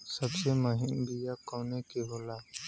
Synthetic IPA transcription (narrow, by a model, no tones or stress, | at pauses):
sɐbsemʊɦɪmbʱijakɔːnekeɦoːlaː